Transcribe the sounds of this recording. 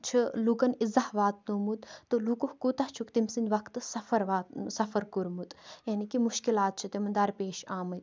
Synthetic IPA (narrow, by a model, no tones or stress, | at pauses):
t͡ʃʰɨluɡɐnizɐhʋaːt̪̚nuːmut̪t̪ːɨlukuhkut̪ɐht͡ʃʰukt̪imsind̪ʋɐkt̪sɐfɐɾʋaːt̪sɐfɐɾkuɾmut̪jaːnikimuʃkilaːt̪̚t͡ʃʰɨt̪emɐnd̪ɐɾpeːʃaːmɐt̪